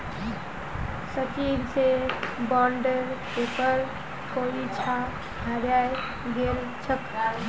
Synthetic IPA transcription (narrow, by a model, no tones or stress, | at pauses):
sət͡ʃiɾsebɔɳɖəɾ | epəɾ | koit͡ʃʰa | ɡʱəɾjaj | ɡeɾ | t͡ʃʰək